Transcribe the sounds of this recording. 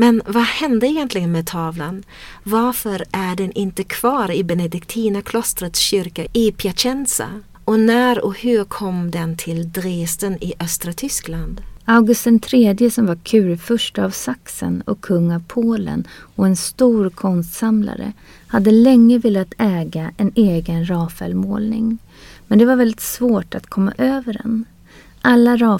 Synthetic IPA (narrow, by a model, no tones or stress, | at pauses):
mɛnvahɛnd̪əɛjɛnt̪lɪɡənmɛt̪ʰɑːvlan | vaɾfœɾʔæɖɛnʔɪnt̪əkʰv̥ɑːɾɪbɛnɛd̪ɪkt̪ʰiːnakʰlɔst̪ɾət̪sɕʏɾkaɪpʰjaɕɛnsa̰ | ɔnæːɾɔhɵɾkʰɔmːd̪ɛnt̪ʰɪld̪ɾeːst̪ənɪʔœst̪ɾat̪ʰʏskland̪aʊɡɵst̪ənt̪ʰɾeːd̪jəsɔmvaɾkʰʉ̟ːɾfœʂʈəavsaksə̰nɔkʰːɵŋːavpʰoːlə̰nɔɛnst̪uːɾkʰɔnst̪samla̰ɾə̰ | had̪ːəlɛŋːəvɪːlːat̪ʰɛːɡaɛneːɡənɾɑːfɛ̰lmoːlnɪŋ | mɛnd̪ɛvaɾvɛld̪ɪt̪svoːʈat̪kʰɔmːa̰ʔøːvəɖɛ̰n | ʔalːaɾɑː